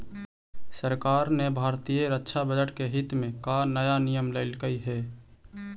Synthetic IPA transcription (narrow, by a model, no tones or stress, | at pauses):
səɾkaːɾnebʱaːɾt̪ijəɾətːʃʰabəd͡ʒəʈkeɦɪt̪mẽkanəjanijəmləɪlkəiɦɛː